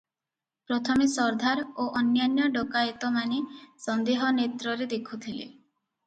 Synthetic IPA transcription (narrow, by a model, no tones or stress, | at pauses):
pɾɔt̪ʰɔmesɔɾd̪ʱaɾoʔɔnjanjɔɖɔkajet̪ɔmanesɔnd̪eɦɔnet̪ɾɔɾed̪ekʰut̪ʰilḛ